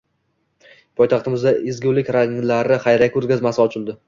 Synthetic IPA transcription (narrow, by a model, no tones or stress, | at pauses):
pʰɒjt̪ʰɑχt̪ɪmɪzd̪aʔɪzɡʲʊlɪkʲɾaŋlaɾɪχɑjɾakʲʰʊɾɡʲazmasɪɒt͡ʃʰɪlˠd̪ɪ